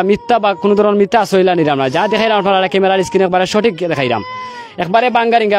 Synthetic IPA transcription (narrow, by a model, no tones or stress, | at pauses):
mit̪ːabakunod̪ʱɔɾɔnmit̪ːaːsojlaniɾamɾad͡ʒad̪ɛkʰajlamaʈɔnalaɾakemelaɽiskinɛk̚baɾeʃɔʈikd̪ɛkʰajɾa̰m | ɛkbaɾebaŋɡaɾiŋɡa